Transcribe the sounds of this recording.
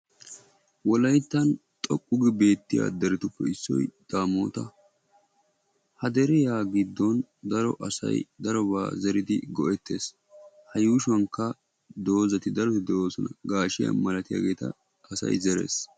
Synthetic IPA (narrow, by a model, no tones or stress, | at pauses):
wɔlɐjt̪ːɐnt̪ʼɔkʼːʊɡɪbe̞ːt̪ːɪja̰ːd̪ɛɾɪt̪ʊpːɛɪsːɔ̰jd̪̥aːmoːt̪ɐ | hɐd̪ɛɾɛjaːɡɪd̪ːɔnd̪ɐɾɔ̰ʔɐsɐ̰jd̪ɐɾɔba̰ːzɛɾɪd̪ɪɡɔʔɛt̪ːe̞̰ːs | hɐjuːʃwɐŋkːɐ | d̪o̞ːzɐt̪ɪd̪ɐɾɔt̪ɪd̪ɛwoːsɔnɐɡaːʃɪjɐ̰nmɐlɐt̪ɪja̰ːɡe̞ːt̪ɐ̰ː | sɐ̰jzɛɾe̞̰ːs